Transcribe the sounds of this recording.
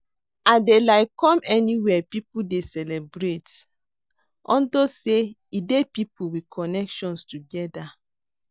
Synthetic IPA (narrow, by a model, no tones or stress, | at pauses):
adelaɪkɔ̃mɛniwɛpipudesɛlɛbɹet | ɔ̰̃ndose | idepipuwikʰɔnɛkʃɔ̃nstuɡɛda